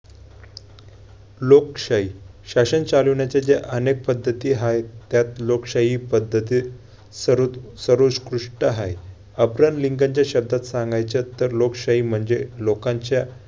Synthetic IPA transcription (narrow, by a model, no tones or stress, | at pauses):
lokɕaɦiɕaɕənt͡saluɳjat͡ɕad͡ʑeʔənek̚pəd̪ʱːət̪iːɦajt̪jat̪lokɕaɦipəd̪ʱːət̪i | sɾsəɾoskɾuʂʈəɦaj | əbɾanliŋɡaɲt͡ɕjaɕəb̚d̪ʱat̪saŋɡajt͡ɕət̪ːəɾlokɕaɦiːm̤əɳd͡zelokaɲt͡ɕja